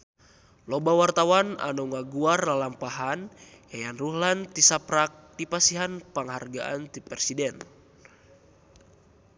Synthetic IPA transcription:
lɔbawart̪awana̰nuŋaɡuarlalampaɦan | jajanruhlant̪isapɾak̚dipasiɦanpaŋɦarɡaʔa̰nt̪ipɛɛsidɛn

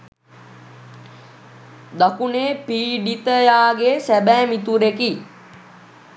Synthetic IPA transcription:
d̪akuneːpiːɖit̪əjaːɡesæbɛːmit̪uɾeki

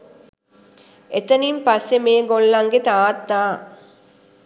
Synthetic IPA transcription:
et̪ənimpasːemeːɡolːɐŋɡet̪aːt̪ːaː

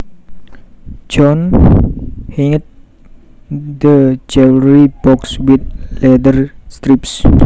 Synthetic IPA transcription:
d͡ʒɔn | hiŋət̪̚ | dəd͡ʒɛwɾibɔkswit̪̚lɛdərst̪ɾip̚s

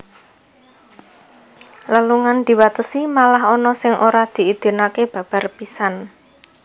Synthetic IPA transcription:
ləluŋand̪̥i̤wat̪əsimalaɦɔnɔsɪŋʔoɾad̪̥i̤id̪̥i̤nakeb̥a̤b̥a̤rpisan

